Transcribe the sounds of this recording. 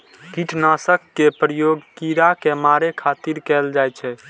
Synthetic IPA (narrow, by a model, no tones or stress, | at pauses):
kiʈnasəkːepɾəjoɡkiɾakemaɾekʰat̪iɾkɛld͡ʒajt͡ʃʰɛ